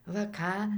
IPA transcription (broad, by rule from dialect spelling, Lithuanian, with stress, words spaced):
ʋɐ ˈkɑː